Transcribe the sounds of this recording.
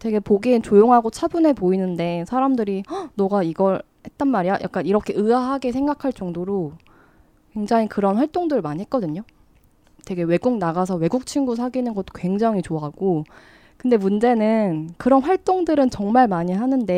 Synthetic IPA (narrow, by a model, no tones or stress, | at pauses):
te̞ɡe̞poɡint͡ɕojoŋɦaɡot͡ɕʰabune̞poinɯnde̞sʰaɾamdɯɾinʌɡaiɡʌɭ | he̞t̚t͈ʌnmaɾijajʔa̰k͈̚aniɾʌkʰe̞ʔɯaɦaɡesʰe̞ŋɡakʰaɭt͡ɕ͈ʌŋdoɾo | kwe̞ŋd͡ʑaŋikɯɾʌnɸwaɭt͈oŋdɯɾɯɭmaɲiɦe̞t̚k͈ʌdɯɲo | twe̞ɡe̞we̞ɡuŋnaɡasʰʌwe̞ɡuk̚t͡ɕʰinɡus̬ʰaɡinɯnɡʌt͈̚o̥kwe̞ŋd͡ʑaŋit͡ɕoaɦaɡ̥o | kɯnde̞mund͡ʑe̞nɯnkɯɾʌnɸwaɭt͈oŋdɯɾɯnt͡ɕʌŋmaɭmaɲiɦanɯnde̞